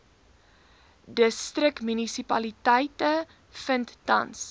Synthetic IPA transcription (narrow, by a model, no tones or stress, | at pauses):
dəstrəkmynisipɐlitɛjtə | fəntːɐ̰ns